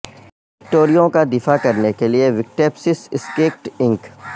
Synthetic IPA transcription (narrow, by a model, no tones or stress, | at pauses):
ɪk̚ʈoːɾijõkad̪ɪfakɐɾnekelieʋɪk̚ʈeːpsɪsɪskeːk̚ʈɪ̃ŋk